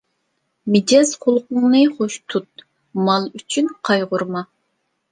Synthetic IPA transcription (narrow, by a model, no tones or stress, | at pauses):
mɪd͡ʒɛzqʰʊlˠqʊŋnɨχoʃt̪ʰut̪̚ | mɑlˠyt͡ʃʰynqʰɑjʁʊɾmɑ